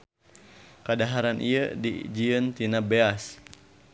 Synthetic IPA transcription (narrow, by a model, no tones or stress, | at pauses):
kadaɦaɾanʔiədḭd͡ʒiənt̪inabeas